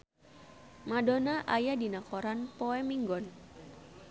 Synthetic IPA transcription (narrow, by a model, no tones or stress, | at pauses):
madonaʔajadinakɔɾanpɔɛmiŋɡɔn